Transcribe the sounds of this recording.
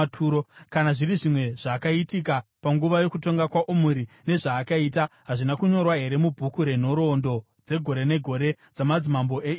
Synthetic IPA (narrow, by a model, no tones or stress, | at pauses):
tʰuːɾokanaʐiriʐimwe̞ʐ̥aːkaitik̬apaŋɡuʋajo̞kuto̞ŋɡakwaʔumuɾi | ne̞ʐaːkaiːtaɦaʐinakuɲo̞rwaɦe̞ɾe̞mubʱukuɾe̞n̤o̞ɾo̞ndo̞ | d͡ze̞ɡʱo̞ɾe̞ne̞ɡʱo̞ɾe̞ | d͡zamad͡zimambo̞ʔe